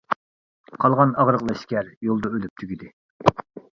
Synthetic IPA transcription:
qʰɑlˠʁɑnɑʁɾəʁlˠɑʃkʲæɾjolˠd̪ɑølyp̚t̪ʰyɡʲid̪ɪ

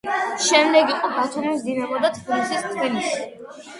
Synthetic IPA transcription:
ʃɛmd̪ɛɡiqʼɔbat̪ʰumisd̪inamɔd̪at̪ʰbilisist̪ʰbilisi

